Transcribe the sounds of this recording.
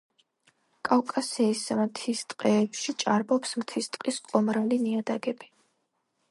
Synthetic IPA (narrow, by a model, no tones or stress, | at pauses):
kʼawkʼasɛismt̪ʰist̪ʼqʼɛːpʃit͡ʃʼaɾbɔpsmt̪ʰist̪ʼqʼisqʼɔmɾaliniad̪aɡɛbi